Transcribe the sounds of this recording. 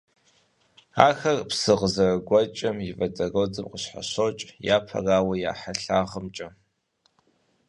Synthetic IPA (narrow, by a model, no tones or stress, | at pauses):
aːxɐrpsɨʁəzɐrɡʷɔt͡ʃʼɐmjɪvɐdɐroːd͡zɨmqəɕħa̰ɕot͡ʃʼjaːpʰɐ̰raːwɐja̰ːħaɬaːʁəmt͡ʃʼɐ